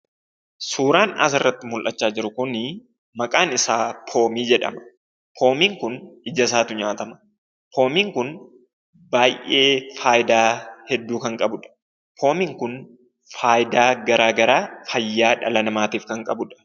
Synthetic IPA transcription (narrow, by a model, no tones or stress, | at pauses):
suːɾaːnɐ̰s̬ɪrːɐt̪ːɪmʊlʔɐt͡ʃːaːd͡ʒɪɾʊkʊnɪ | mɐkʼaːnɪsaːpʰo̞ːmiːd͡ʒɛᶑɐ̰mɐ̥ | pʰo̞ːmiːŋkʊnɪd͡ʒɐs̬aːt̪ʊɲaːt̪ɐmɐ̥ | pʰo̞ːmiːŋkʊn | baːjʔe̞ːfaːjɪd̪aːhɛd̪ːuːkɐŋkʼɐbʊᶑɐ̥ | pʰo̞ːmiːŋkʊn | faːjd̪aːɡɐɾaːɡɐɾaːfɐjːaːᶑɐlɐnɐmaːt̪iːfkɐŋkʼɐbʊᶑɐ̥